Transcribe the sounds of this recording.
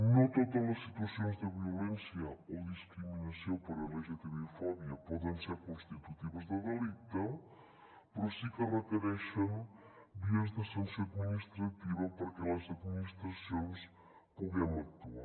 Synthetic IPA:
nɐ̃w̃t̪ot̪ẽmɐʃsit̪wɐsõj̃zd̪ɨviulẽsjɐoðiʃkɾiminɐsɐ̃w̃pɐɾɐleʒɐt̪eɾofɔβjɐpɔðẽj̃seɾkõʃt̪it̪ut̪ivɐzd̪ɐɣɐlˠit̪ɐ̃ | pɾosikɐrɐt̪eɾɛʃɐm | b̪iɐʒt̪ɐsɐ̃w̃sɐd̪miniʃt̪ɾɐt̪ivɐpɐɾɐkɛlˠɐzɐd̪miniʃt̪ɾɐsõj̃ʃ | kõmɛmɐt̪uɐ

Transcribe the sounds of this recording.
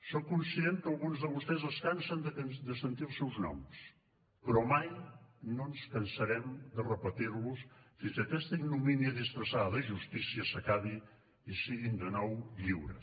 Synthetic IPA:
sowkũnsiẽnt̪̚kalˠɣũnzðɐβust̪ezɐskansɐ̃nd̪d̪ɨsẽnt̪iɾsewznɔ̰ms | pɾɔmajnõw̃skɐnsɐɾɛmd̪ɨrəpɐt̪iɾβusfizɐt̪ɛst̪ɐĩnuminiɐðisfɾɐsaðɐðɐʒust̪isiɐsɐkaði | isiɣĩnd̪ɨnɔwʎiwɾɐ̰

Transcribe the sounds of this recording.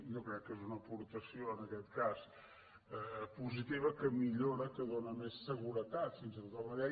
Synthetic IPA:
jokɾɛkːezunəpuɾt̪əsioənəkɛt̪kas | əpuzit̪iβəkəmiʎoɾəkəðonəmesːəɣuɾət̪at̪finsət̪ot̪aməðɛ

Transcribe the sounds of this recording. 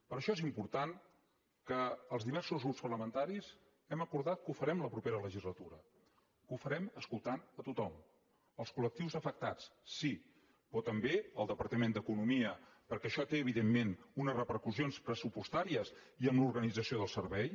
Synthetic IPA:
pəɾəʃɔezimpuɾt̪an | kəːlˠzðiβ̞ɛrsuzɣɾupspərləmənt̪aɾiz | ɛməkuɾðat̪̚kufəɾɛmləpɾupeɾələʒizlət̪uɾə | kufəɾɛməskulˠt̪anət̪ut̪ɔm | əlˠskulək̚t̪iwzəfək̚t̪at͡ssi | pɔt̪əmbeəlˠd̪əpəɾt̪əmend̪əkunumiəpəɾkɛəʃɔt̪eəβ̞iðemːenunəzrəpəɾkusionspɾəsupust̪aɾiəs | iəmluɾɣənid͡zəsioðəlˠsəɾβɛj

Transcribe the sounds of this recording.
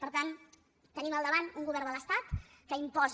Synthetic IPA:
pəɾt̪an | t̪əniməlˠd̪əβanuŋɡuβɛrd̪ələst̪at̪kəimpɔz

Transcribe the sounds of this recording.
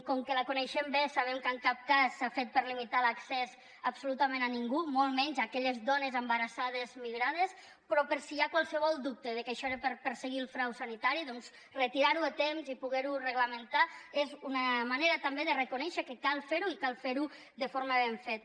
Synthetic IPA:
kɔŋkəlakunɛʃembesaβɛmkəŋkap̚kasːafet̪̚pəɾlimit̪alaksɛz | əbsulut̪amẽnaniŋɡumolˠmɛɲzakɛʎəzd̪ɔnəzəmbəɾasað̞əzmiɣɾað̞es | pɾɔpəɾsiakwalˠsəβɔlˠd̪up̚t̪əðəkəʃɔeɾepəɾpəɾsəɣilˠfɾawsanit̪aɾiðɔnz | rət̪iɾaɾuət̪emzipuɣɛɾurəɣləmənt̪aezunəmaneɾət̪ambeðərəkunɛʃəkəkalˠfeɾuikalˠfeɾu | ðəfoɾməβ̞eɱfet̪̚

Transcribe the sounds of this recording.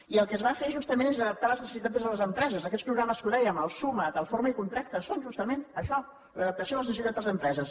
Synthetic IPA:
iəlˠkəzβafeʒust̪əmẽnezəðəp̚t̪aləznəsəsit̪at̪əzðələzəmpɾɛzəzəkɛtt͡sspɾuɣɾaməskuðɛjəməlˠsumət̪alˠfoɾməikunt̪ɾak̚t̪əsonʒust̪əmenəʃɔ | ləðəp̚t̪əsioləznəsit̪ad̪ðəzəmpɾɛzəs

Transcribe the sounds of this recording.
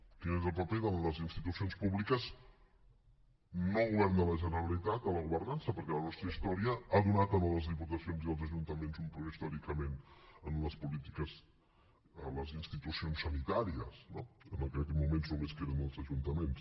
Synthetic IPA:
k̪inezəpəpeðoləzinst̪it̪usionspuβlikəz | noɣuβɛɾnd̪ələʒənəɾəlit̪at̪ələɣuβəɾnansəpəɾkɛlənɔst̪ɾəist̪ɔɾiəaðunat̪ənələzðiput̪əsionziðəlˠzəʒunt̪əmenzumpɾueist̪ɔɾikəmenənuləspulit̪i̥kəz | ələzinst̪it̪usionsːənit̪aɾiəsnoənəkɛkɛmumenznomeskeɾənd̪əlˠzəʒunt̪əmens

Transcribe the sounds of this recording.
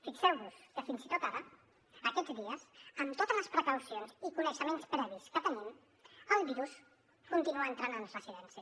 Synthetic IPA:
fiksɛwβuskəfinzit̪ot̪aɾə | əkɛd͡zd̪iəzəmt̪ot̪ələspɾəkəwsionzikunəʃəmenspɾɛβ̞iskət̪ənim | əlˠβiɾus | kunt̪inuəːnt̪ɾanənrəziðɛnsi

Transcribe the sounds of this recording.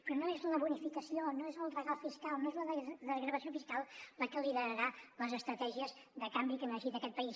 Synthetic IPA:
pɾɔnoezləβunifikəsionoezəlˠrəɣalˠfiskalˠnoezləððəɣɾəβəsiofiskalˠləkəliðəɾəɾaləzəst̪ɾət̪ɛʒiəzðəkambikənəʃit̪əkɛt̪pəis

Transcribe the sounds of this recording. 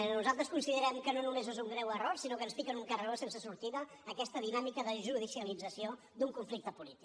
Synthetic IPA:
nuzalˠt̪ɾəskunsiðəɾɛmkənonumezezuŋɡɾɛwəroɾsinokənsfikənuŋkərəosensəsuɾt̪iðəːkɛst̪əðinamikəðəʒuð̞isiəlid͡zəsio | d̪uŋkuɱflik̚t̪əpulit̪i̥k

